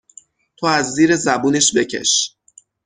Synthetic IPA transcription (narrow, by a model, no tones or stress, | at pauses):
t̪ʰoæzːiːɾe̞zæbuːne̞ʃbe̞cʰe̞̰ʃ